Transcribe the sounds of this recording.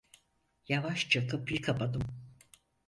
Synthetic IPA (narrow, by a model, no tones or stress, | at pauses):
javaʃt͡ʃʰakɯp̚iɾkʰapad̪ɯm